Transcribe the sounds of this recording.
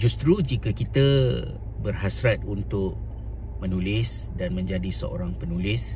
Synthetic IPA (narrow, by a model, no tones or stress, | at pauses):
d͡ʒust̪ɾud͡ʒikəkit̪ə | bərɦasɾat̪̚unt̪ʊʔ̚ | mənulɪs | danmə̃ɲd͡ʒadisəʔo̰ɾaŋpənulɪs